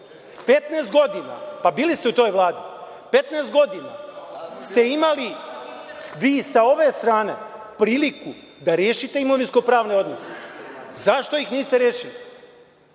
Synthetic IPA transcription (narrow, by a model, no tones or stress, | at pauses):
pe̞t̪neːsd̪ɡo̞d̪ina̰pabiːlist̪e̞ut̪o̞ːjʋlˠaːd̪i | pe̞t̪neːstd̪ɡo̞d̪ina̰st̪e̞imali | ʋiːsao̞ʋe̞st̪ɾaːne̞̰ | pɾiːliku | d̪aɾjeːʃit̪e̞imo̞ʋinsko̞pɾaːʋne̞o̞d̪no̞se̥̰zaʃt̪o̞ixniːst̪eɾeːʃili